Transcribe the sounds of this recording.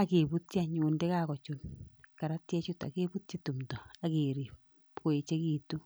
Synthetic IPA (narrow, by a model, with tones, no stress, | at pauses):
a˨kebu˦tt͡ʃa˨ɲundɛ˦kakɔ˨t͡ʃunka˨ɾa˦tjɛ˦t͡ʃuta̰˨ke˦bu˦t̚t͡ʃi˦tu˨mtɔ˨akeɾi˨ | ko˨e˨t͡ʃe˦kiː˨tu˦